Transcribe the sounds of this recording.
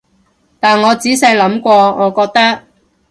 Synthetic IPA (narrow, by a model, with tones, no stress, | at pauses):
t̪aː˨nŋɔː˨˧t͡siː˨˥sɛː˧lɐ˨˥mkʷɔː˧ŋɔː˨˧kɔː˧k̚t̪ɐ˥k̚